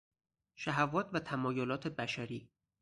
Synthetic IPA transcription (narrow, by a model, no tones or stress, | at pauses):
ʃæɦævɒːt̪ʰvæt̪ʰæmɒːjolɒːt̪ʰe̞bæʃæɾiː